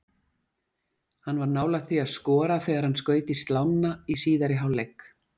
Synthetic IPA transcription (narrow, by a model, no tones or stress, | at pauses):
hanːvaɾnaːwlat̪θiaðskɔːɾaθɛːɣaɾ̥hanskœːɥjt̪ɪst̪lawnːaisiːðaɾɪɦawlejk